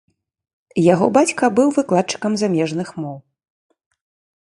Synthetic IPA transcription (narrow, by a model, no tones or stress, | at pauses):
jaɣɔbat͡sʲkɐbɨwvɨklˠat̪̚t͡ʂɨ̥kɐmzamʲɛʐnɨxmɔw